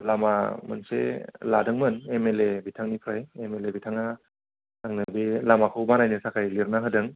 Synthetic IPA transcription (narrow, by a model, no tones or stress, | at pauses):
lama̰mɯ̰nsḛladɯŋmɯnemelebitʰaŋnipʰɾajemelebitʰaŋa | naŋnɯbilamakʰɯwbanajnɯsakʰajliɾnaɦɯdɯŋ